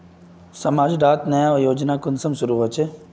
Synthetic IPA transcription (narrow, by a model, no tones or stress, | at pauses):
sɐmaːd͡ʒɖaːt̪nɐjaojoːd͡ʒnakʊnsɐmsʊɾuːɦoːt͡ʃʰe